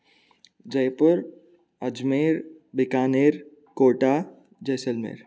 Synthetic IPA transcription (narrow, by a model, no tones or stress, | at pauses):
d͡ʒɐjpʊɾ | ɐd͡ʒmeːɾbɪkaːneːɾ | koːʈa | d͡ʒɐjsəlmḛɾ